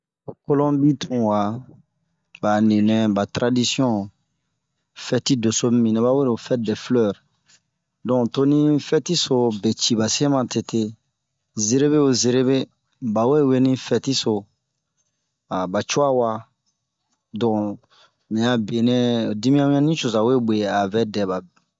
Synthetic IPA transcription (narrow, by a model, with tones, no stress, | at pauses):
o˨ko˦lɔ̃˦bi˦tũ˨wa˨ | ba˨nĩ˨nɛ̃˦ba˨tɾa˦di˦sjɔ̃˦ | fɛ˦ti˦do˨so˦mĩ˨nẽ˨˦ba˦we˦ɾo˨fɛ˦t̚dɛ˨flœ˦˨ɾ | dɔ̃˨to˦nĩ˦fɛ˦ti˦so˨bɛ˨t͡ʃi˨ba˨sẽ˦mã˨te˨te˦ | ze˨ɾe˦βe˦o˨ze˨ɾe˦be˦ | ba˨we˦˨we˦nĩ˦fɛ˦ti˦so˨ | a˨ba˨t͡ʃo˦a˦wa˦ | dɔ̃˨ | mɛ̃˨a˨be˨nɛ̃˦˨di˦mĩ˦ã˦m˦ã˦nĩ˦t͡ʃo˨za˨we˦be˨a˨vɛ˦dɛ˨ba˨